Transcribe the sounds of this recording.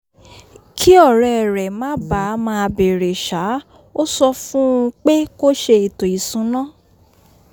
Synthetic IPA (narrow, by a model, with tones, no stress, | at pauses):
kʰi˦ɔ˦˨ɾɛ˨ɾɛ˨mã˨˦ba˨˦mãː˧be˨ɾe˨ʃa˨˦ | o˦sɔ˧fũ˦ũ˧k͡pe˦ko˦ʃe˧i˨tõ˨i˨sũ˨˦nã˦